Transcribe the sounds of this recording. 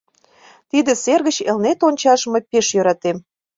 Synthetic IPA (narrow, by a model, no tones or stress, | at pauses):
t̪id̪ə̆serɣə̆t͡ɕelnet̪onʲt͡ɕɑʒəmɤpeʃjøɾɑt̪em